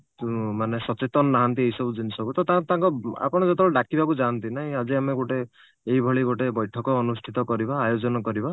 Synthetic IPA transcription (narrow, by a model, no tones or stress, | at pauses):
t̪umanesɔt͡ʃet̪ɔnɔːaɦant̪ieɦjsɔbud͡ʒinisɔkut̪ɔt̪at̪ãŋkɔa̰pɔɽ̃ɔd͡ʒɔt̪ɔlɔɖakibakud͡ʒant̪inaɦĩad͡ʒiameɡoʈe | eɦibʱɔɭiɡoʈebɔjʈʰɔkɔːnusʈʰit̪ɔkɔɾibaːjod͡ʒɔnɔkɔɾiba